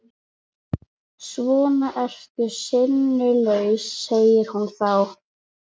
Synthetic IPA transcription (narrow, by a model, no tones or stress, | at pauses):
svɔːnaʔɛr̥cʏsɪnːʏlœɥsːeːjɪɾ̥hunθaw